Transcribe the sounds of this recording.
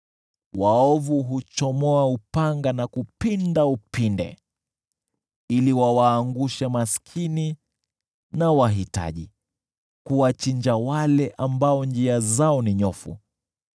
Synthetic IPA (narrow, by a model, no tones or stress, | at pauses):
waɔvuɦut͡ʃɔmɔaupaŋɡanakupindaupindɛ̰ | iliwawaːŋɡuʃɛmaskʰini | nawaɦita̰ʄi | kuwat͡ʃind͡ʒawalɛʔambaɔnd͡ʒiazaɔniɲɔfṵ